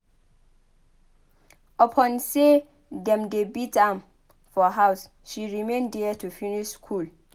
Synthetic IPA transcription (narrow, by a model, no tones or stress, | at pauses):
əpʰɔ̃nse | dɛ̃mdebitãm | fɔɦaws | ʃiɹimẽndɛtʰufiniʃskʰul